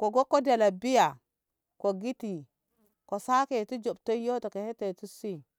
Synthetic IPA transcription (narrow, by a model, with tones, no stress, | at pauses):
ko˨ɡo˦kːo˦da˨la˨bi˦ja˨ | ko˨ɡi˦ti˨ | ko˨sa˦ke˨tu˦d͡ʒo˨bto˦jo˦to˨ke˨he˦te˨tu˦si˦